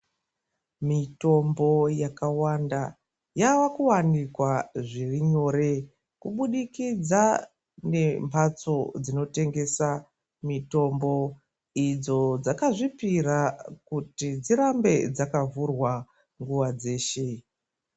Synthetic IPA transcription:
mito̞mbo̞jakawanda | jaʋakuwanikwaʐiriɲo̞ːɾe̞ | kuɓuɗikid͡za | ne̞mbat͡so̞d͡zino̞te̞ŋɡe̞sa | mito̞mbo̞ | id͡zo̞d͡zakaʐipiɾakutid͡ziɾambe̞d͡zakavurwa | ŋɡuʋad͡ze̞ːʃe̞

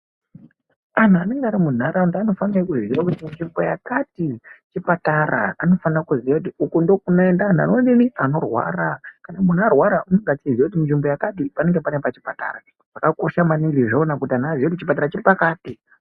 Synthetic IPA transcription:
an̤uane̞ŋɡaːɾimun̤aɾaundano̞fanirakuziɾakutiminʐimbo̞jakatit͡ʃipataɾa̰ano̞fanarakuziakutiukundo̞k̚unoendan̤a̰nondiniano̞rwa̰ːrakanamun̤arwaɾaʔunoŋɡat͡sid͡zakut̬iminʐimbo̞jakat̬ipane̞ŋɡe̞panepat͡ʃipata̰ɾa | ʐakako̞ʃamaniɡiʐonakutianaʐijotit͡ʃipataɾat͡ʃiɾipakaːti

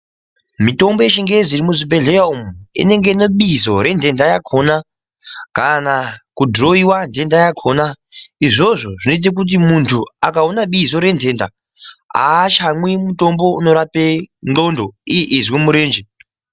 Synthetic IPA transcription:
mito̞mbojeʃiŋɡed͡zirimuzibe̞ɮeaumuḭne̞ŋɡeino̞ɓizo̞ɾe̞ndʱe̞ndajakʰo̞na | kanakudʱro̞iwande̞ndajakʰoːna | iʐo̞ʐo̞ʐino̞it̬ak̬ut̬imuntʰuakaonaɓizo̞ɾe̞nde̞ːnda̰ | a̰ːʃamwimuto̞mbo̞uno̞ɾapendo̞ndo̞ijeʔizwemuɾeːnd͡ʒe

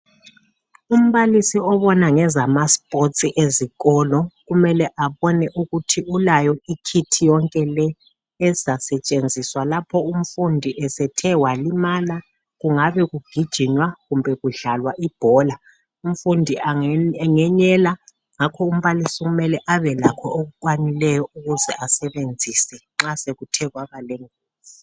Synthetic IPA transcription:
um̩βalisiɔβɔnaŋɛzamaspʼot͡sʼiʔeziɣɔlɔɣumɛlɛʔaβɔnɛʔuɣutʰiulajɔikʰitʰijɔŋkʼɛlɛː | zasɛt͡ʃʼend͡zʱiswalapʰɔum̩fundʱiʔɛsɛtʰɛwalimala | ɣuŋaβɛɣuɡ̥ʱid̥ʒ̥ʱiɲwaɣumbʱɛɣuɮalwaʔib̥ʱɔːla | um̩fundʱiaɛŋɛɲɛla | ŋakʰɔum̩βalisɔɣumɛlɛʔaβɛlakʰɔoɣukʼwanilɛjɔuɣuzɛʔasɛβend͡zʱisɛ | ŋ͡ǁaseɣutʰɛɣwaβaleŋuːzi

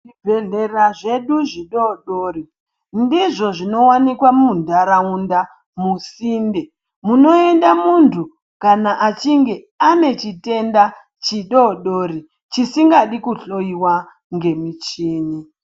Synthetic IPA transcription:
ʐibʱeɮe̞raʐe̞ɗuʐiɗoɗoːri | ndiʐo̞ʐino̞wanikwamuundaɾaunda | musiːnde̞ | muno̞e̞ndamuntʰu | kanaʔat͡ʃiŋɡe̞ | ane̞t͡ʃite̞nda | t͡ʃiɗoɗoːri | t͡ʃisiŋɡaɗikuɬo̞iwa | ŋɡe̞mit͡ʃiːni

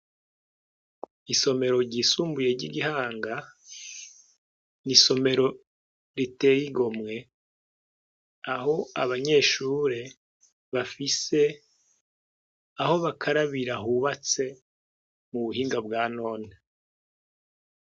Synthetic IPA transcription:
iso̞me̞ɾo̞ɾɟiːsuːmbuje̞ɾɟiɡiɦaːŋɡa | niso̞me̞ɾo̞ | ɾite̞jiɡo̞mŋe̞ | aɦo̞a̰βaɲe̞ːʃuːɾe̞ | βafise̞ | aɦo̞βakʰaɾaβiɾaɦuβat͡se̞ | muβuɦiːŋɡabɡaːno̞ːne

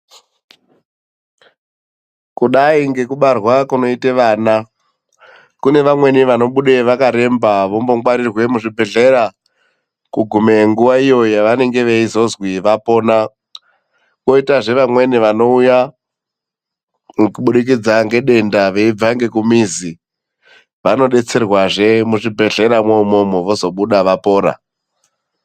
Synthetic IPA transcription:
kuɗaiŋɡe̞kuɓarwakuno̞iteʋaːna | kune̞ʋamwe̞niʋano̞ɓuɗeʋakaɾe̞mbaʋo̞mbo̞ŋɡwaɾirwe̞muʐibʱe̞ɮe̞ɾa | kuɡʱumeŋɡuʋaijo̞jaʋane̞ŋɡe̞ʋeizo̞zwiʋapo̞ːna | ko̞itaʐe̞ʋamwe̞niʋano̞uja | kuɓuɗik̬id͡zaŋɡe̞ɗe̞ndaʋe̞ib͡vaŋɡe̞kumizi | ʋano̞ɗe̞t͡se̞rwaʐe̞muʐibʱe̞ɮe̞ɾamomomoʋo̞zo̞ɓuɗaʋapo̞ːɾa̰

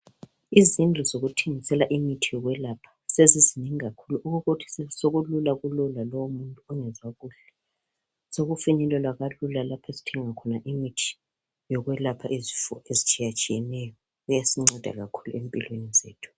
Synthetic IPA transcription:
izind͡ɮʱɔzoɣutʰeŋisɛlaʔimitʰijɔɣwɛlapʰḁsezizineŋiɣakʰuluʔuɣuɣotʰi̥ssoɣululaɣululalowomuntʼuɔŋɛd͡zʱaɣuːɬɛ | soɣufiɲɛlwɛlwaɣalulalapʰesi̥tʰɛŋakʰɔnaʔimitʰi̥ | jɔɣwɛlapʰaʔezifɔezit͡ʃʼijat͡ʃʼijɛnɛjɔ | ɣujasiŋ͡ǀɛd̥ʱa̰ɣa̰kʰu̥lṵempʼilwenizḛːtʰu̥

